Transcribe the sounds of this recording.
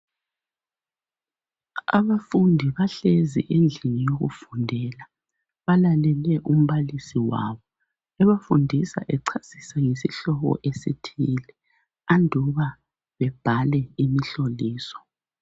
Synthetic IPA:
a̰βafundʱiβaɬezḭʔend͡ɮʱinijoɣṵfundʱɛla | βalalɛlɛʔum̩βalisiwa̰βɔ | ɛβafundʱisa̰ʔɛǀʰasisaŋesiɬɔɣɔ̰ʔesitʰilɛ | andʱuβa | βɛb̥ʱalɛimiɬoliːsɔ̥

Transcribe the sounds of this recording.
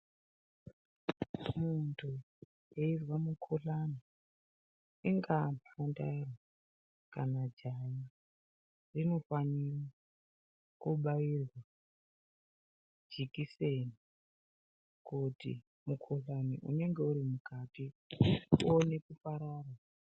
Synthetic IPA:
muntʰu | jeirwamukʰuɬani | iŋɡamaandairwa | kanad͡ʒaji | rino̞fanira | kuɓairwa | d͡ʒikise̞ni | kutḭ | mukʰoɬanḭʔṵne̞ŋɡe̞uɾimukati | one̞kufaɾaːrwa

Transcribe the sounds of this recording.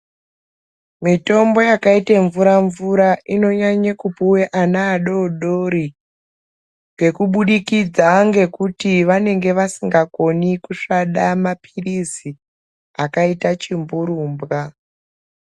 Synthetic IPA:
mito̞mbo̞jakaiteɱvuɾaɱvuɾaʔino̞ɲaɲakupuweʔanaːɗo̞ɗo̞ɾi | ŋɡe̞kuɓuɗikid͡zaŋɡe̞kutiʋane̞ŋɡe̞ʋasiŋɡako̞nikuʂaɗamapʰirisi | akaitat͡ʃimbuɾuːmbɣa

